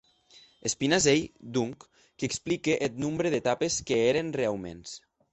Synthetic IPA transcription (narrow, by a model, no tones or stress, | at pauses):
espinazejd̪uŋkː | eksplikeʔet̪numbɾeðet̪apeskeeɾenrealˠmḛns